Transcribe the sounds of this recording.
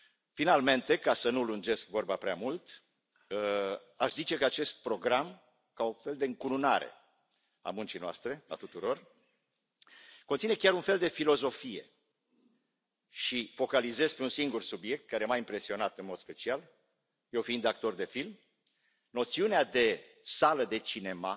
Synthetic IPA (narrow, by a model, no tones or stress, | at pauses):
finalme̞nt̪e̞kasənulund͡ʒe̞skvo̞rbapɾeamult̪ | aʃzit͡ʃe̞kəat͡ʃe̞st̪̚pɾo̞ɡɾam | kaunfe̞ld̪eɨŋkununaɾe̞̰ | a̰munt͡ʃijnoa̰st̪ɾe̞a̰t̪ut̪uɾo̞r | kont̪sine̞kʲaɾunfe̞ld̪e̞filo̞zo̞fije̞̰ | ʃifo̞kalize̞zpe̞unsiŋɡursubje̞k̚t̪kaɾe̞majimpɾe̞sio̞nat̪ɨnmo̞d̪spe̞t͡ʃial | je̞wfiind̪ak̚t̪o̞rd̪e̞film | no̞t̪siunead̪e̞ | saləd̪e̞t͡ʃine̞ma